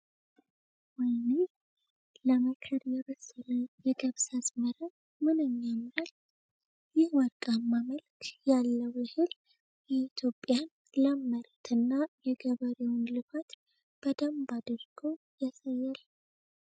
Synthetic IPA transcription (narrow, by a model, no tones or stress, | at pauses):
wɔjne | ləməkʰəɾjɛβəsːɨləwjɛɡəβsasməɾə | mɨnɨɲːamɾət̪ | jɪhwəɾkʼamːaməlkʰjalːəwjɛhɨl | jɛit̪ʰjo̞pʼːjan | ləmːəɾət̪ʰɨnːajɛɡəβəɾewʊnlɨfat̪ | b̥əd̪əmbad̪ɨɾɡ̥o | jasəjːal